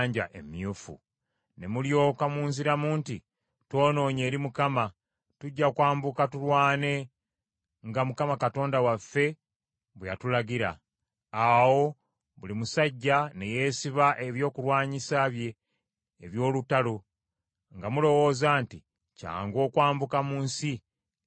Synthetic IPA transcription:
ɲɟaʔe̞̰mjuːfṵ | ne̞muljo̞ːkamuːnziɾamuːnti | two̞ːno̞ːɲe̞ːɾimukama | tuɟːakwaːmbukatulwaːne̞ | ŋɡamukamakato̞ːndawafːe̞ | βwejatulaɡiɾa̰ː | wo̞ | βulimusaɟːane̞je̞ːsiβaʔeβjo̞ːkulwaːɲisaβje̞ː | βjo̞ːlutalo | ŋɡamulo̞wo̞ːzaːnti | ca̰ːŋɡo̞ːkwaːmbukamuːnsi

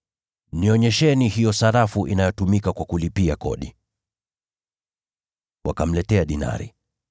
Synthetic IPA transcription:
niɔɲɛʃɛnihijɔsaɾafuʔḭnajɔtumikakwakulipiakɔ̰ɗi | wʔakam̩lɛtɛaɗina̰ɾḭ

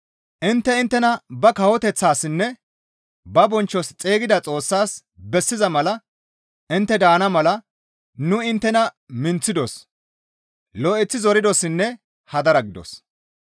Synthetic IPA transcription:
ʔɪnt̪ːɛɪnt̪ːɛnɐbɐkɐwɔt̪ɛt͡sːaːsɪnːɛ | bɐbɔnt͡ʃːɔst͡sʼe̞ːɡɪd̪ɐt͡sʼo̞ːsːaːs | bɛsːɪzɐmɐlɐ | ʔɪnt̪ːɛd̪aːnɐmɐlɐ | nʊɪnt̪ːɛnɐ | mɪnt͡sːɪd̪ɔs | lɔʔɛt͡sːɪzɔɾɪd̪ɔsɪnːɛ | hɐd̪ɐɾɐɡɪd̪ɔ̰s

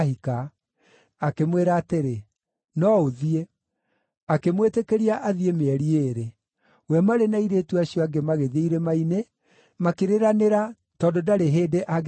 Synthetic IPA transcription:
hika | akemweɾaːteɾe | nɔoðie | akemwetekeɾiaʔaðiemeɛɾieɾe | wɛmaɾenaiɾeːtuaɕijɔaɡemaɣeðeiɾemaine | makeɾeɾaneɾa | tɔdodaɾeɦeːdeʔaɣ

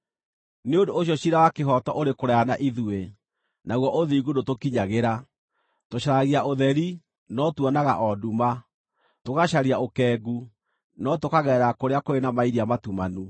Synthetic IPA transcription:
neondoːɕ̬jɔɕiɾawakeɦɔtɔʔoɾekoɾɛanaʔiðue | naɣwɔʔoðiɡudotokiɲaɣeɾa | toɕaɾaɣiaʔoðɛɾi | nɔtuɔnaɣa̰ʔɔduma | tokaɕaɾiaokɛːɡu | nɔtokaɣɛɾakoɾeakoɾenamaiɾiamatumanu

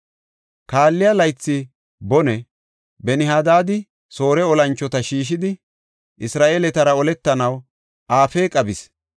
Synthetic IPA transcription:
kaːlːɪjɐlɐjt͡sːɪ | bɔnɛ | bɛnɪɦad̪aːd̪ɪ | so̞ːɾɛɔlɐnt͡ʃːɔt̪ɐʃiːʃ̬ɪd̪ɪ | ʔɪsɾaːʔeːlɛt̪ɐɾɐɔlɛt̪ːɐnɐw | ʔaːfeːkʼɐbɪs

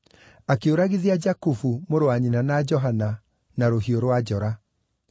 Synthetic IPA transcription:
akeoɾaɣiðiad͡ʒakufumoɾoaɲinanad͡ʒɔɦana | naɾohioɾwad͡ʑɔɾa

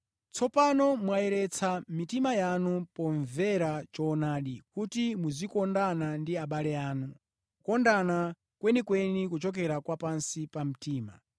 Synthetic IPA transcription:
t͡sɔpanɔmwajɛɾɛt͡sʰamitimajanupɔɱvɛɾat͡ʃɔːnaːɗikutimuzikɔndanandiaɓalɛaːnu | kɔndana | kwɛnikwɛnikut͡ʃɔk̬ɛɾakwapansipam̩tiːma̰

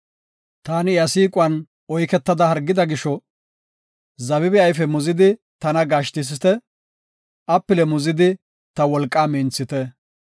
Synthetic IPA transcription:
t̪aːnɪɐsiːkʼʊɐn | ɔjkɛt̪ːɐd̪ɐhɐɾɡːɪd̪ɐɡɪʃɔ | zɐβɪbɪɐjfɛmʊzɪd̪ɪ | t̪ɐnɐɡaːʃt̪ɪs̬ɪt̪ɛ | ʔɐpːɪlɛmʊzɪd̪ɪ | t̪ɐwɔlkʼːaːmɛnt͡sːɪt̪ɛ

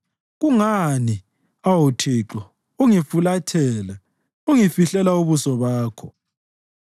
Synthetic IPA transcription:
ɣuŋani | awutʰiǁɔ | uŋifulatʰɛːla | uŋifiɬɛlauβusɔβaːkʰɔ

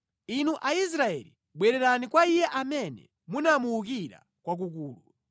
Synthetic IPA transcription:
inuʔais̬ɾaɛ̰li | ɓwɛɾɛɾanikwaijɛʔamɛnɛ̰ | munamuuk̬iɾa̰ | kwak̬ukuːlu

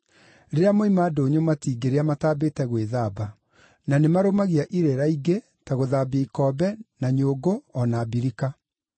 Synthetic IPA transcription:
ɾeɾeamoimaːdoːɲomatiːɡeɾeamataːbetɛɣweðaba | nanemaɾomaɣiaʔiɾeɾaiɡe | taɣoðaːbiikɔbɛnaɲoːɡoɔnaːbiɾika

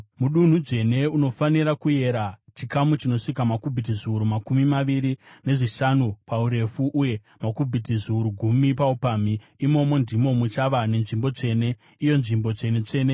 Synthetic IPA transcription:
muɗun̤ud͡ze̞ne̞uno̞faniɾakuje̞ɾat͡ʃikamut͡ʃino̞ʂikamakubʱit̬iziuɾumakumimaʋiɾine̞ʐiʃanupauɾe̞fuʔuje̞ | makubʱitiziuɾuɡʱumipaupamiː | mo̞mo̞ndimo̞mut͡ʃaʋane̞nʐimbo̞t͡ʂe̞ːne̞ | ijo̞nʐimbo̞t͡ʂe̞ne̞t͡ʂe̞ːne

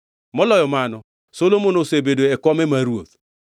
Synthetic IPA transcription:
mɔlɔjɔmanɔ | solomonosebedoɛkɔmɛmaɾuot̪̚

